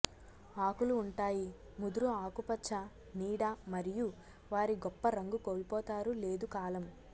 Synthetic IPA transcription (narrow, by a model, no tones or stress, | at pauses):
aːkuluːɳʈaːji | mud̪uɾuaːkupɐt͡ʃʰːɐ | niːɽɐmɐɾiju | ʋaːɾiɡɔpːɐɾɐŋɡukoːlpɔːt̪aːɾule̞ːd̪ukaːlɐm